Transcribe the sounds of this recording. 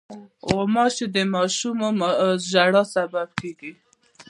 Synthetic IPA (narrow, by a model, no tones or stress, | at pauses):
omɑʃed̪əmɑʃumomʒaɽɑsababkeɡi